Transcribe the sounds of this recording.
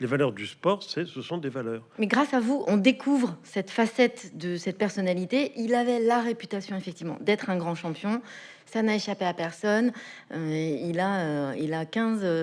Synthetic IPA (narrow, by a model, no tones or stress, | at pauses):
levalœʁd̪yspɔʁsɛsəsɔ̃d̪evalœːʁmɛɡʁasavuʔɔ̃d̪ekʰuvʁsɛt̪fasɛt̪d̪əsɛt̪̚pɛʁsɔnalit̪eʔilavɛlaʁepyt̪asjɔ̃efɛk̚t̪ivmɑ̰̃d̪ɛt̪χɛ̃ɡʁɑ̃ʃɑ̃pjɔ̃ | sanaeʃapeapɛʁsɔnøilaøilakʲɛ̃z